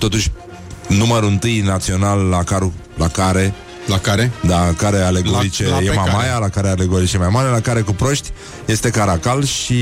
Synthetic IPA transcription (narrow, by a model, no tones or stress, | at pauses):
t̪o̞t̪uʃʲ | numəɾuɨnt̪ɨjnat̪sio̞nalːakaɾu | lakaɾe̞ | lakaɾed̪akaɾe̞aleɡoɾit͡ʃejemamajalakaɾealeɡoɾit͡ʃe̞majmaɾe̞lakaɾe̞kupɾo̞ʃt̪ʲ | je̞st̪e̞kaɾakalʃi